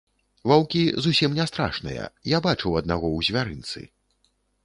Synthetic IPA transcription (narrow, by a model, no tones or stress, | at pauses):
vawkʲizusʲimnʲɛst̪ɾa̰ʂnɐ̰jɐ̰jabat͡ʂɨwɐd̪̚naɣɔwzʲvʲaɾɨnt̪sɨ̰